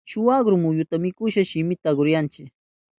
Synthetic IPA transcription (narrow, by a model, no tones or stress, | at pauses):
ʃʊwaɡɾʊmʊjʊt̪amɪkʊʃaʃɪmɪt̪aːɡʊɾjant͡ʃɪk